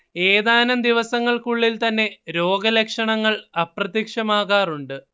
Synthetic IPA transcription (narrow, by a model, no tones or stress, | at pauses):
eːðaːnɐmd̪iʋɐsɐŋːɐɭkuɭːilt̪ɐnːe̞ɾo̞ːɡɐlekʂɐɳɐŋːɐɭɐprɐt̪ikʂɐmaːɣaːruɳɖɨ